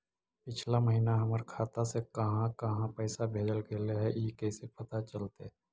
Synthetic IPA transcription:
pɪt͡ʃʰlamɐɦiːnaɦɐməɾkʰaːt̪asekɐɦãkɐɦãpɛːsabʱeːd͡ʒəlkeːleɦɛʔikɛːsepɐt̪at͡ʃəlt̪e

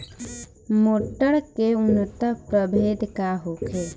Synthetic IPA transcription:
moːʈːəɽkeʊnt̪əpɾəbʱeːd̪kaɦoːkʰe

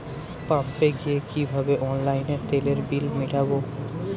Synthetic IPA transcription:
pãmːeɡijekibʱabeʔɔnlajneɾt̪eleɾbilmiʈʰabo

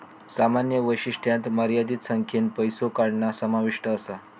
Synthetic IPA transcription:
samanjəʋəjɕiʂʈʰjãnt̪məɾjad̪iːt̪səŋkʰenpəjsokaɽɳasəmaʋiʂʈəːsa

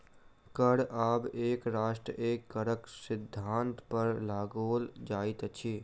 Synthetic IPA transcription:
kəɽaːbeːkɾaːʃʈɾəʔeːkːəɾəksɪd̪ʱːaːnt̪pəɾlaːɡoːld͡ʒaːit̪t͡ʃʰiː

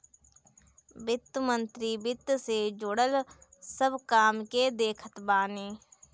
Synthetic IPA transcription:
bɪt̪ːmə̃nt̪ɾibɪt̪ːsed͡ʒoɽəlsəbkaːmked̪eːkʰət̪baːneː

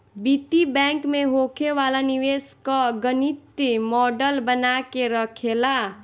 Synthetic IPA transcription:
bit̪ibaŋkmeɦokʰewalaniweskʌɡənit̪imɔɖəlbənakeɾʌkʰela

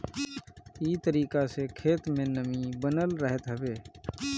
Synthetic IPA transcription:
iːt̪əɾiːkasekʰeːt̪mẽːnəmĩbənəlɾəɦət̪ɦəbeː

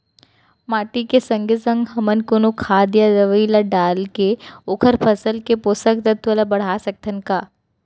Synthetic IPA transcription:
maːʈikesɐ̃ŋɡʱesə̃ŋɡɦɐmənkʊnukʰaːd̪jadɐʋilaɖaːlkeʊkʰəɾpʰəsəlkeposək̚t̪ət̪ʰʋəlabɐɽ̤aːsɐk̚t̪ənkaː

